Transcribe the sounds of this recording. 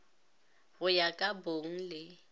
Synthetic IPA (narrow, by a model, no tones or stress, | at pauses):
ɣʊjakʼaboŋ̩lɪ